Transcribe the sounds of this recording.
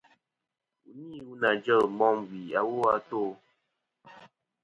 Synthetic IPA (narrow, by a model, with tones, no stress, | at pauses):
u˨ni˦˨wu˦na˨d͡ʒə˦˨lm˨˦bɔ˦ŋwi˨a˨˦wo˦a˦to˦˨